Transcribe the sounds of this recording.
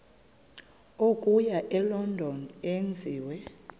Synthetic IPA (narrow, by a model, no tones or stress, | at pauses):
okʼujaʔɛlɔndʱɔnend͡zʱiːwɛ